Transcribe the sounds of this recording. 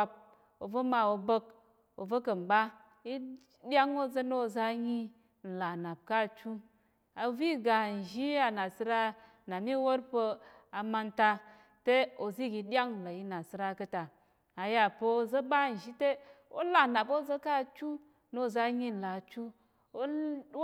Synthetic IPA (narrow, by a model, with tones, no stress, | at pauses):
a˧p̚ | o˨və˦ma˨wo˧bə˦k̚ | o˨və˦kə˨n˨ba˦ | i˦ | ɗʲa˦ŋo˦zə˦no˦˨za˦ɲi˦ | n̩˨la˨na˨p̚ka˦˨t͡ʃu˦ | a˨vi˦ɡa˨n̩˨ʒi˦a˨na˨sɨ˦ɾa˦ | na˨mi˦wo˦ɾpə˧a˨ma˧nta˧ | te˦o˨zi˦˨ɡi˨dʲja˦ŋ˨la˨ji˦na˨sɨ˦ɾa˦kə˦ta˨ | a˨ja˨pə˦o˦˨zə˦ɓa˦˨n̩˨ʒi˦te˦o̰˦la˨na˨bo˦zə˦ka˦˨t͡ʃu˦ | no˦˨za˦ɲi˦n̩˨la˨t͡ʃu˦ | o˦